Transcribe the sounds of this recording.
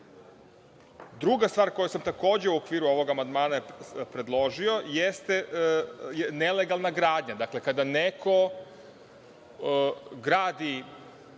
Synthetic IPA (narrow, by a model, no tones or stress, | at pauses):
d̪ɾuɡast̪ʋaːɾko̞jusamt̪ako̞ːd͡ʑeuokʋiːɾuo̞ʋo̞ɡamand̪maːnapɾe̞d̪lˠo̞ʒio̞jest̪e | jneleɡalˠnaɡɾaːd̪ɲad̪akle̞kad̪anekʰo̞ | ɡɾaːd̪i